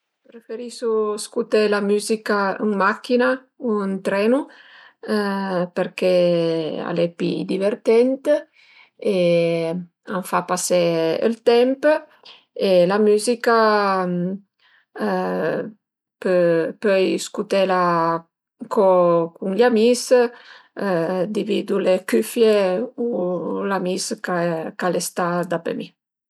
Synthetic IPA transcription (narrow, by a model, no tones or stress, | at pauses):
pɾefeɾisuskut̪ɛlamyzikauŋmakːina | unt̪ɾɛnu | peɾkɛ | a̰lɛpḭd̪iveɾt̪ɛnt̪ | e | aɱfapasɛə̰lt̪ɛmp | elamyzika | pøpøjskut̪ɛla | kɔkuŋʎamis | d̪ivid̪ulekyfjeulamiskakalest̪ad̪apḛmi